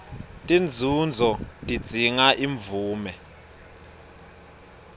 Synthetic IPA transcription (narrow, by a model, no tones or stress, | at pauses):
tʼind͡zʱund͡zʱɔtʼid̥d͡z̥ʱiŋaʔiɱbvuːmɛ